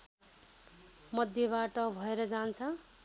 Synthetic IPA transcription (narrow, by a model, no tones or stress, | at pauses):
mʌd̪ʱjʌβaʈʌbʱʌeɾʌd͡zant͡sʰʌ